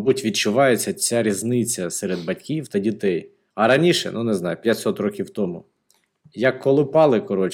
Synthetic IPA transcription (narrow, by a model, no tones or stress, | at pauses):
butʲʋʲid̪̚t͡ʃʊʋɑjet͡sʲːɐt͡sʲaɾʲiznɪt͡sʲːɐsɛɾed̪̚bɐtʲkʲiwt̪ɐdʲit̪ɛj | ɐɾɐnʲiʃɛ̰nuneznɑjʊpʲjɐtʲsɔt̪ɾɔkʲiwt̪ɔmʊ | jɐkːɔlˠɪpɑlˠɪkɔɾɔt͡ʃ